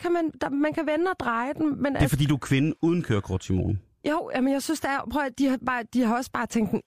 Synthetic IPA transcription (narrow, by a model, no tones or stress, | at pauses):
kʰæmænd̥ɑmænkʰæʋenəɒ̽d̥ʁɑ̈ɪd̥emmen̥efɒd̥ḭːd̥uæɐkʰʋe̝nn̩uːð̞ˠn̩kʰøːɐkʰɒ̰d̥sʰimo̰ːln̩ | joʊ̰jʔæmenjɑ̈ɪsynsd̥eæɐpʰʁɔid̥ihɑ̈b̥ɑːd̥ihɑ̈ɒ̽sə̥b̥ɑ̈ːt͡sʰeŋ̰ɡd̥em